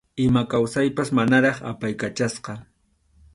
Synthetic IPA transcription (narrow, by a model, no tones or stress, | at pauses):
ɪmakawsajpasmanaɾɑχa̰pajkat͡ʃasqɑ